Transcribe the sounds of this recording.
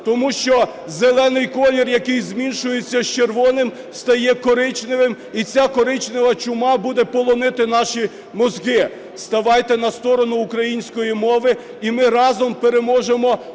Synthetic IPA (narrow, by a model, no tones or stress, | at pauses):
t̪ɔmuʃt͡ʃɔ | zelˠɛnɪjkɔlʲɪrjɐkɪjzmʲinʃʊjet͡sʲːɐʃt͡ʃerʋɔnɪm | st̪ɐjɛkɔɾɪt͡ʃnɪʋɪm | it͡sʲakɔɾɪt͡ʃnɪʋɐt͡ʃʊmɑbud̪ɛpɔlˠɔnɪt̪ɪnɑʃi | mɔzɡɪ | st̪ɐʋɑjt̪ɛnɐst̪ɔɾɔnʊːkɾɐjinʲsʲkɔjimɔʋɪ | imɪɾɑzɔmpeɾemɔʒemɔ